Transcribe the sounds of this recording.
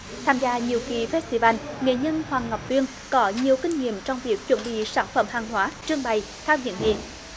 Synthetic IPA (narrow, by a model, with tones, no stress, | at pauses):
t̪ʰaː˧mzaː˧ɲi˨əwki˨˩fɛ˦˥t̚t̪i˧vaː˧nŋḛ˧˨ɲə˧nhwaː˨˩ŋŋa˨˩wk͡p̚t̪wi˧ən | kɔ˨˦ɲi˨˩əwkï˧ŋ̟ŋḭ˧˨əmt͡ɕɔ˧wŋ͡mvi˨˩ək̚t͡ɕwə˧˨˩nɓḭ˧˨saː˧˩nfə̰˧˩mhaː˨˩ŋɦwaː˨˦t͡ɕɨ˧əŋɓa˧˩j | t̪ʰaː˧wzḭ˧˨nŋḛ˧˨˩